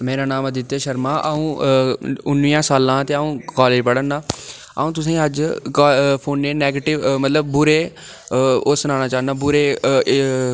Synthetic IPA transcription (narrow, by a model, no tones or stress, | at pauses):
meːɾaːnaːməd̪ɪt̪ːeːʃəɾmaːʔəũː | ʊnʋiãːsaːlãːt̪eːaːũːkaːleːd͡ʒpəɽənaː | ə̰ũːt̪̬ʊs̬ĩːəd͡ʒkːpʰoːnːeːnɛːɡeːʈɪʋmət̪ləbːʊɾeː | ʊsnãːnaːt͡ʃaːnaːbʊɾeː